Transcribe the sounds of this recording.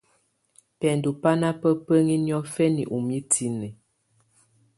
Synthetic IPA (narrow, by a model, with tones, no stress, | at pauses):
pɛ˨n˨du˨pa˦na˦pə˦pə˦ŋi˦njɔ˦fɛ˦nḭ˨ʔu˨mi˦tʰi˦nɛ˨